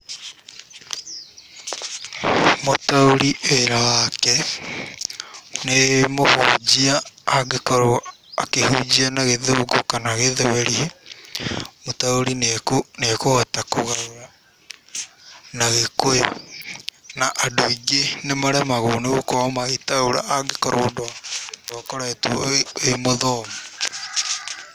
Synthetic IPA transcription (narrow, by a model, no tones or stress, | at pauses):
motaoɾiʔeɾawakɛ | nemohod͡ʑiaːɡekɔɾo | akehud͡ʑianaɣeðoɡokanaɣeðoweɾie | motaoɾinkonekohɛtakoɣaoɾa | naɣekoe | naʔadoiɡenemaɾɛmaɣoneɣokɔmaɣetaoɾa̰ʔaɡekaɾoːdoandɔːkɔɾaetoemoðɔːmo